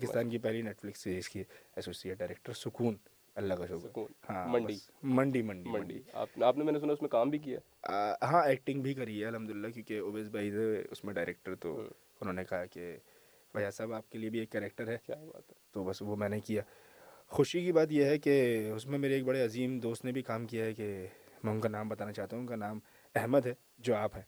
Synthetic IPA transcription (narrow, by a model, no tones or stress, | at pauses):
paːkɪst̪aːnkip̬ɛɦlineːʈflɪksːiːɾiːz̥kiɛsoːsiːeʈ̚ɖaːɾeːk̚ʈəɾsʊkuːn | ɐlːakaʃʊːnhãːmɐ̃ɳbɖimɐ̃ɳɖimɐ̃ɳɖimɳɖia̰ːpaːpnemɛːnes̬ʊnaʊsmẽkaːmbʱik̬ija̰ː | əɦãːeːk̚ʈɪ̃ŋɡbʱikɐɾiɛɐlɦɐmd̪ʊlɪlːakjõːkeoːbeːzbaːizeʊ̰smẽɖaːɪɾeːk̚ʈəɾt̪o̰ | ʊnɦõːnekɐɦake | ʋɐjaːsaːbaːp̚keliebʱieːkːɛːɾeːk̚ʈəɾɦɛːkjaːba̰ːt̪t̪obɐsʋomɛ̃ːnekijaː | xʊʃikibaːt̪̬jeɦɛkeʊsmẽmeːɾeːk̚bɐɽeɐziːmd̪oːst̪nebʱikaːmkijaɦɛke | mɛ̃ːɦʊ̃kanãːmbɐt̪aːnat͡ʃaːɦt̪aɦuʊ̃ũkanaːm | ɛɦməd̪ɦɛː | d͡ʒoːaːpɦɛ̃ː